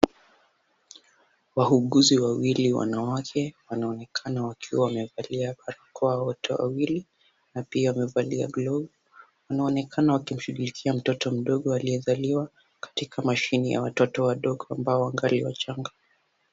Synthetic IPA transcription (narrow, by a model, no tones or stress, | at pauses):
waɦuɠuziwawiliwa̰nawakʰɛwanaɔnɛkʰanawakʰiwawamɛvaliaɓaɾakʰɔawɔtʰɛwa̰wili | napiawamɛvalia̰ɡlɔɡɔ | wanaɔnɛkʰanawakim̩ʃuɡulikʰiam̩tɔtɔm̩ɗɔɠɔaliɛzaliwa | kḁtikʰamaʃinija̰watɔtɔwaɗɔɠɔambaɔwaŋɡaliwa̰t͡ʃaŋɡa